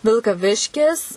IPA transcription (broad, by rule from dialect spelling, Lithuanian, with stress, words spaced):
ʋʲɪlˠkɐˈʋʲɪʃʲkʲɪs